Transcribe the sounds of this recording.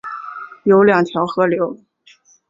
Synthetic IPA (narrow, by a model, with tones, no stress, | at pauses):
jo˧˥ʊljɑ˨˩ŋt̪ʰjɑ˧˥ʊxɤ˧˥ljo˧˥ʊ